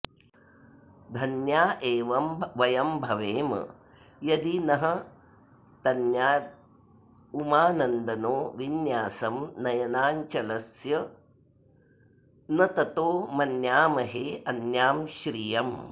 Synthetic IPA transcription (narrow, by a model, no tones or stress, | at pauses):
d̪ʱɐnjaːʔeːʋɐmʋɐjɐmbʱɐʋeːmɐ̰ | jɐd̪inɐɦɐ̆ | t̪ɐnjaː | umaːnɐnd̪ɐnoːʋinjaːsɐmnɐjɐnaːɲt͡ʃɐlɐsjɐ | nɐt̪ɐt̪oːmɐnjaːmɐɦeːɐnjaːmʃɾijɐm